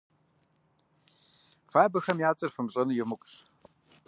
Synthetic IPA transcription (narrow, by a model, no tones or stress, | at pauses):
faːbɐxɐmjaːt͡sʼɐrfɨmɕʼɐnɨjɪmɨkʷʼʂ